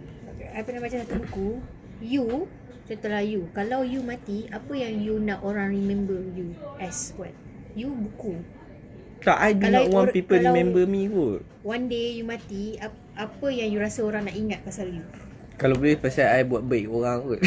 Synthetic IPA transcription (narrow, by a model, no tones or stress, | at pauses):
okeajpənaʔbat͡ʃãsat̪ubuku | ju | t͡ʃət̪əlahjukalawjumãt̪iapəjaŋjunãʔoɾaŋɹimɛ̃mbəjuʔɛswat̪̚ | jubuku | t̪aʔajduanlɔt̚wãnpipəɾiamɛ̃mbəmĩko | wandejumãt̪ia | ʔapəjaŋjuɾasəoɾaŋnaʔiŋat̪̚pasalju | kalabolɛhpasajajbuat̪̚bɛkoɾaŋət̚